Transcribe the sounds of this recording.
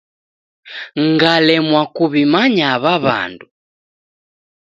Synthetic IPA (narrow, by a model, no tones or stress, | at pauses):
ŋɡalɛmwakuβimaɲaβaβa̰ndu